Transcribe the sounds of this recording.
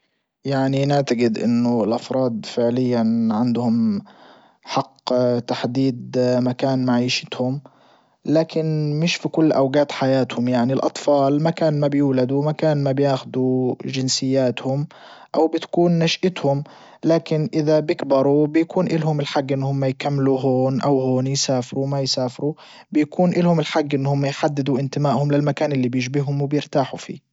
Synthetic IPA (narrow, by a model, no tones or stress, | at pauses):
jaʕninɪʕt̪aɡɪd̪ʔɪ̰nːʊlʔɑfɾˤɑːd̪̚fɪʕlɪjːanʕand̪hʊm | ħɑqːt̪aħd̪iːd̪makaːnmaʕiːʃɪ̥t̪hʊm | laːkɪnmɪʃfikʊlːʔawɡaːt̪ħajaːt̪hʊmjaʕnilʔɑ̰t̪ˤfɑːlmakaːnmabjuːlad̪uwmakaːnmabjaːxʊd̪uʒɪnsɪjːaːt̪hʊm | ʔawbɪt̪ḁkuːnːaʃʔɪt̪hʊm | laːkɪnʔɪðabɪkbɑɾˤubɪjakuːnʔɪlɦʊmɪlħaɡːʔɪnːhʊmːajkamːluɦoːnʔawhoːnjsaːfɪɾumajsaːfɪɾu | bɪjkʰuːnʔɪlhʊmɪlħaɡːʔɪnːhʊmːajħad̪ːɪd̪uʔɪnt̪ɪmaːʔhʊmlɪlmakaːnʔɪlːibjɪʒbɪhʊmwɪbjɪɾt̪aːħufḭː